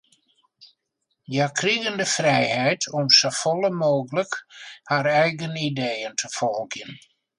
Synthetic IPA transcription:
jakʰriɣəndəfrɛjhɛjtʰɔmsofɔlˠəmoːɣələkhaɾɛjɣənidejəntʰəfɔlˠɡjən

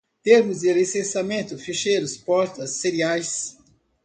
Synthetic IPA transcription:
t̪eɾmʊzd̪ɪʁesẽsamẽnt̪ʊfeʃeɾʊspɔɾt̪ɐsːeɾiajs

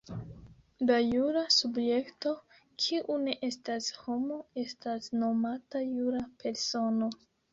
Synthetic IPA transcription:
lajuɾasubje̞kto̞ | kʰiʔune̞ʔe̞stasho̞mo̞e̞stasno̞matajuɾape̞ɾso̞no̞

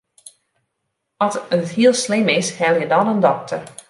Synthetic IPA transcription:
ɔtəthiəlˠslɪmɪshɛlˠjədɔnəndɔk̚tʰər

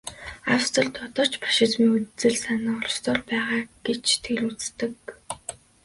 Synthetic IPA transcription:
awst̪ɞ̆ɮt̪ʰɔt̪ɞ̆r̥t͡ɕpḁʃɪ̆t͡smiːŋut͡sɘ̆ɮsanə̆ːŋɔɮst̪ʰʊrpæːʁaːɡ̥et͡ɕt̪ʰeɮut͡st̪ɘ̆k̚

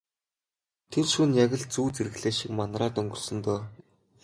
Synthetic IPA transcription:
t̪ʰerʃunjaɣʲə̆ɮt͡suːt͡seɾɘ̆ɣɮeːʃikmanraːt̪ɵŋɡɵ̆rsɵ̆nt̪ɔː

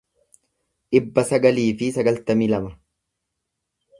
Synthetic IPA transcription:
ᶑɪbːɐsɐɡɐliːfɪsɐɡɐlt̪ɐmilɐmɐ

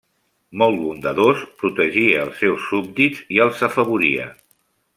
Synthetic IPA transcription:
mɔlˠβund̪əðospɾut̪əʒiəːlˠsːewsːub̚d̪id͡ziəlˠzəfəβ̞uɾiə̰

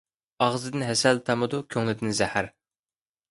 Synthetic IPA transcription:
ɑʁzɨd̪ɨnɦɛsɛlt̪ʰɑmɨd̪ukʲʰøŋlɪd̪ɪnzɛhæɾ

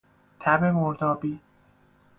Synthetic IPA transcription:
t̪ʰæbemoɾd̪ɒːbiː

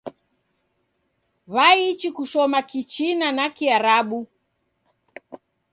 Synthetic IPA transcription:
βait͡ʃikuʃɔmakit͡ʃinanakiaɾaɓu

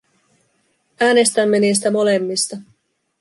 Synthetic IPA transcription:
æːne̞st̪æmːeniːs̬t̪æmo̞le̞mːist̪ɑ

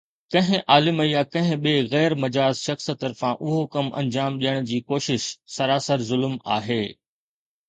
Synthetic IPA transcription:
kɐ̃ɦɪ̃ʔaːlɪməijakɐ̃ɦɪ̃ɓieɣɛːɾmɐd͡ʑaːzʃɐxst̪ɐɾfãʔʊɦokɐmʔɐ̰̃ɲd͡ʑaːmɗijəɽ̃d͡ʑiːkoːʃɪʃsɐɾaːsəɾzʊlma̰ːɦeː

